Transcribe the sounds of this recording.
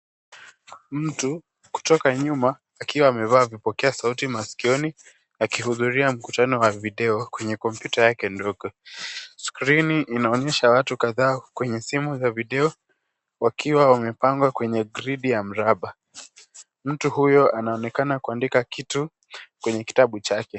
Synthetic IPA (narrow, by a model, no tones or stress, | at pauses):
m̩tu | ku̥tɔkaɲumaː | kiwaːmɛvaːvipɔkɛasautimaskiɔni | akihuðuɾiam̩kutanɔwaviɗɛɔkwɛɲɛkɔmpjutajakɛndɔɡɔskɾiniʔːnaɔɲɛʃawatukaðaːkwɛɲɛsimuzaviɗɛɔ | wakʰiwaamɛpaŋɡwakwɛɲɛɡɾiɗijam̩ɾaɓa | m̩tuhujɔanaɔnɛkanakuandikakitu | kwɛɲɛki̥taɓut͡ʃakɛ